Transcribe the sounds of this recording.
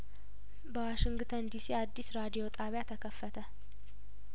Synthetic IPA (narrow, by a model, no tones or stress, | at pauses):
bəwaʃɪŋɡt̪ʰənd̪isiad̪ːisɾad̪ijo̞t̪ʰʼaβjat̪ʰəkʰəfːət̪ʰə